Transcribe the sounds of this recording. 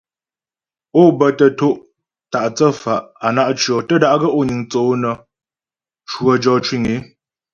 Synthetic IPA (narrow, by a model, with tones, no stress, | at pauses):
o˦˨bə˨tə˨to˦ʔ | ta˨ʔt͡sə˦fa˨ʔa˨na˦ʔt͡ʃɰɔ˨tə˦˨da˨ʔɡə˦ʔo˦˨ɲi˨ŋt͡so˨˦nə˨ | t͡ʃwə˨d͡ʒɔ˨t͡ʃwi˦˨ŋe˨˦